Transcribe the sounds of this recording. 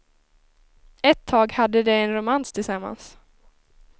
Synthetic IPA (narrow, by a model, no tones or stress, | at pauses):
ɛt̪ʰːɑːɡhad̪ːəd̪ɛɛnɾʊmanst̪ʰɪlsamːa̰ns